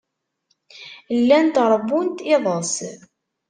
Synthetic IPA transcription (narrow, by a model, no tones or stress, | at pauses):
lːænt̪ʁɾˤbːunt̪ɪðˤəs